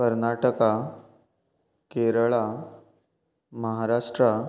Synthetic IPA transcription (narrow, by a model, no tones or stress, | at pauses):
əɾnaʈəka | keɾɭa | məɦaɾaʂʈɾa